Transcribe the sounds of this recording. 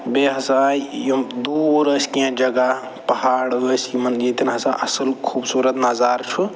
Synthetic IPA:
beɦɐsaãijud̪uɾəːskiãd͡ʒɐɡa | pɐhaːɽəːsimɐnjet̪inɦɐsã̰ʔɐsəlkʰuːbsuːɾət̪nɐzaːɾt͡ʃʰu

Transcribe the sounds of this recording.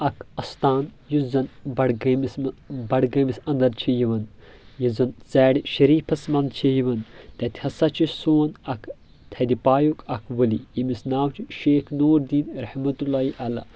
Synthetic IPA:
ɐkʰɐst̪aːnjuzɐnbɐɽɡɐmismbɐɽɡɐmisɐ̃nd̪ɐɾt͡ʃʰijiʋɐn | jizɐnt͡sɛːɽiʃɐɾiːpʰɐsmɐnd̪t͡ʃʰijiʋɐnt̪ɛt̪ʲhɐsɐt͡ʃʰisoːnɐk | t̪ʰɐd̪ipaːjukʰɐkʰʋɐlijimisnaːwt͡ʃʰiʃeːkʰnoːɾd̪iːnɾɐhmɐt̪ulːaːiʔɐla̰

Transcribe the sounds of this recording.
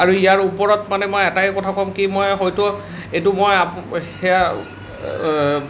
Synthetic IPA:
aɹuijaɹupɔɹɔtmanɛmojɛtajkɔtʰakɔmkimojxɔjtɔ | ejtʊmojahɛja

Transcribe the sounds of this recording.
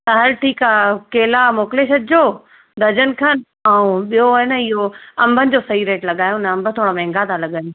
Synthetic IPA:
saɦəɾʈʰiːkaːkeːlamoːkɪleʃɐt̪̚d͡ʑoː | d̪ʱɐd͡ʑənɪ̆kʰan | aːũɓijonəɪɦoɐ̃mbʱənɪ̆d͡ʑoːsɐiɾeːʈlɐɠaːjonɐɐ̃mbʱə̆t̪ʰoːɽomɛ̃ːŋɡat̪ʰalɐɠaːjo

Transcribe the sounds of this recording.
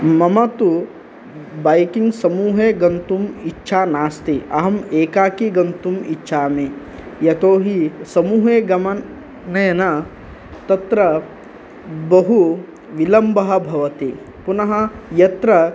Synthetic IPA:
mɐmɐt̪u | bajkiŋɡsɐmuːɦeːɡɐnt̪umitːʃʰaːnaːst̪iʔɐɦɐmeːkaːkiɡɐnt̪umitːʃʰaːmeː | jɐt̪oːɦisɐmuːɦeːɡɐmɐ | nɐjɐnɐ | t̪ɐt̪ɾɐ | bɐɦu | ʋilɐmbɐɦɐ̆bʱɐʋɐt̪i | punɐɦɐ̆jɐt̪ɾɐ

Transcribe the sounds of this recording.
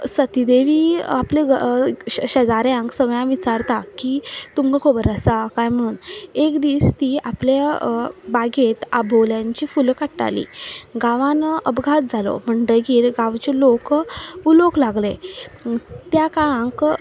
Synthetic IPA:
sət̪id̪eʋiːaple | ɕəd͡zaɾjãŋksəʋjãʋit͡saɾt̪akit̪umkakʰobəɾəsakajm̤əɽuːnekd̪iːst̪iːaple | baɡet̪a̰bʱoljãɲt͡ɕiːfulkaʈːa̰lḭːɡaʋãnəbɡʱat̪̚d͡zʱalo̰m̤əɳɖəjɡeːlɡãʋt͡ɕelokuloklaɡle | t̪jakaɭãŋk

